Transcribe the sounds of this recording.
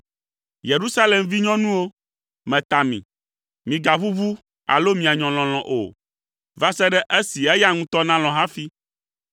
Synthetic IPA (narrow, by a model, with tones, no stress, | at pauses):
je˨ɾu˦sa˦le˨mvi˦ɲɔ̃˦nũ˦wo˦ | mɛ̃˨t̪a˨mḭ̃˨ | mĩ˨ɡa˨βu˦vu˦ | a̰˨lo˦mĩ˨a˨ɲɔ̃˨l̃ɔ̃˨l̃ɔ̃˨ʔo̰˨ | va˦sɛ˦ɖɛ˦ʔe˦si˨ɛ˦ja˦ŋũ˦t̪ɔ˦nã˦l̃ɔ̃˨ɦã˦fi˦